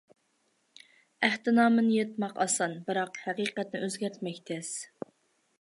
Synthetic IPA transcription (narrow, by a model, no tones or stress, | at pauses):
æht̪ɪnɑːmɨnjet̪mɑqɑsɑnbɨɾɑqhæqiːqɛt̪nɪʔøzɡʲæɾt̪ʰmɛkʲt̪ʰɛs